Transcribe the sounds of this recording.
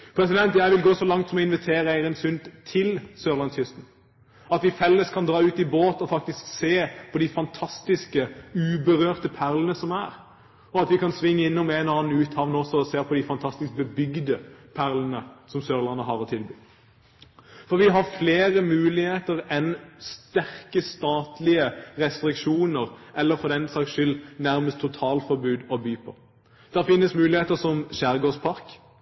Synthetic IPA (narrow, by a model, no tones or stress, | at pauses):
pʰɾɛs̬ɪd̪ɛnt̪jæɪʋɪlɡoːsɔlɑŋt̪sɔmɔɪnʋɪt̪ʰeːɾəæɪɾənsʉnt̪t̪ʰɪlsøːʁlɑnsjʏst̪n̩ | ɑt̪ʋɪfɛlːəskʰɑnd̪ɾɑːʉːt̪ɪboːt̪ɔfɑkt̪ɪskseːpʰɔd̪ɪfɑnt̪ʰɑst̪ɪskəʉːbəʁøːʁt̪əpʰæʁlənəsɔmæːʁ | ɔɑt̪ʋɪkɑnsʋɪŋːəɪnːʊmæɪnɔɑːnn̩ʉːt̪hɑʋn̩ɔsːɔɔseːʁpʰɔd̪ɪfɑnt̪ʰɑst̪ɪsk̚bəbʏɡd̪əpʰæʁlənəsɔmsøːʁlɑnːəɦɑʁɔt̪ʰɪlbyː | fɔɾʋɪɦɑʁfleːʁəmʉːlɪheːt̪əʁɛnst̪æʁkəst̪ɑːt̪lɪəʁɛst̪ɾɪkʂuːnəʁʔɛlːəɾfɔd̪ɛnsɑkʃʏlːnæʁməst̪ʰːʊt̪ʰɑːlfɔɾbʉːd̪ɔbyːpʰɔ̰ː | d̪̥æʁfɪnːəsmʉːlɪeːt̪əsɔmʃæʁɡoːspʰɑʁk